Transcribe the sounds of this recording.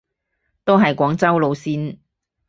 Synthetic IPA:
t̪o˥wɦɐ˨jkʷɔː˨˥ŋt͡sɐ˥wlo˨˧wsiː˥n

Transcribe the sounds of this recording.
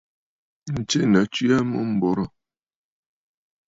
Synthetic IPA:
n̩˨t͡ʃe˦˨na˨˦t͡ʃi˦a˦mṵ˦m̩˦bɔ˨˦ɾɔ˨

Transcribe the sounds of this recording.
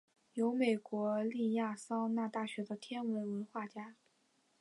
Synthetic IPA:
jo˧˥ʊme˨˩ɪkwɔ˧˥li˥˧ja˥˩sɑ˥ŋna˥˧t̪a˥˩ɕɥɛ˧˥d̪ə˧t̪ʰjɛ˥nwə˧˥nwə˧˥nxwa˥˩t͡ɕja˥

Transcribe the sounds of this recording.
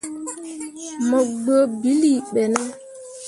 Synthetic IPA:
mə˨ɡ͡bə˦bi˦li˦˨ɓɛ˨na˦

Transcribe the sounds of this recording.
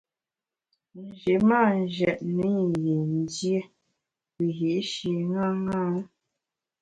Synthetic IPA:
n̩˨d͡ʒe˨ma˦˨n˨d͡ʒɛ˨ʔni˨˦˨je˨n˦dje˦ | wi˨ɦi˨ʔʃi˨ŋa˦ŋa˦n

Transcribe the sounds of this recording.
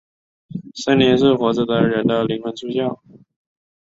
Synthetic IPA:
sa˥njɛ˧˥nʂɤ˥˩xwɔ˧˥ʈ͡ʂ̩˥˩d̪ə˧˩˥ɻə˧˥nd̪ə˧˩li˧˥ŋxwə˧˥nt͡sʰu˥ɕjɑ˥˩ʊ

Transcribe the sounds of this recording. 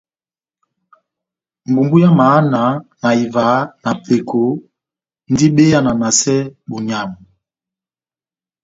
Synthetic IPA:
m̩˨bu˨mbu˦ja˦ma˨˦na˨˦na˨i˨va˨˦na˨pe˨kʰo˨˦ | n˦di˦ɓe˦ja˨na˨na˨sɛ˦bu˨ɲa˨mu˨

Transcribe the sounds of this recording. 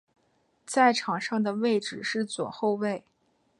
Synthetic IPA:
t͡sa˥˩ɪʈ͡ʂʰɑ˨˩ŋʂɑ˥˩ŋd̪ə˩we˥˧ɪʈ͡ʂɻ̩˨˩ʂɻ̩˥˩t͡swɔ̰˨˩xo˥˧ʊwe˥˩ɪ

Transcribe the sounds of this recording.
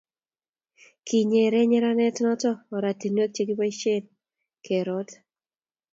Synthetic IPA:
kʰi˨ɲe˨ɾɛ˦ɲɛ˦ɾa˦nɛ˦tnɔ˦tɔː˦˨ɾa˨ti˨nwe˦k̚t͡ʃe˦ɡi˦pa˦i˦ʃe˦n | kʰe˨ɾɔ˦t

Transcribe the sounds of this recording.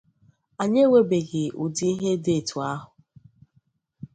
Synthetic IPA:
a˨ɲe˦we˨be˨ɡɪ˨u˨di˦i˦ɦe˦de˦˨tu˨a˦ɦʊ˨

